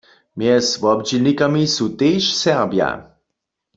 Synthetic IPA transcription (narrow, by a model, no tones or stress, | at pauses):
mjɛsvɔbd͡ʒilnikamisut̪eːʃsɛʁbja̰